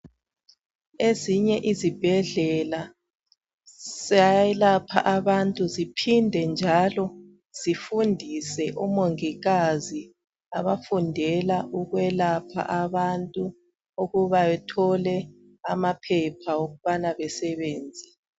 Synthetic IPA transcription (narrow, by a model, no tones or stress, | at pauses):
eziɲɛʔizib̥ʱɛɮɛla | sajɛlapʰa̰ʔaβantʼuzipʰindʱɛnd͡ʒʱalɔ | z̥ifundʱisɛʔumoŋiɣazi | aβafundʱɛlaʔuɣwɛlapʰa̰ʔaβantʼu | uɣuβaɛtʰɔlɛ | amapʰɛpʰaoɣuβanaβɛsɛβɛːnd͡zʱɛ̥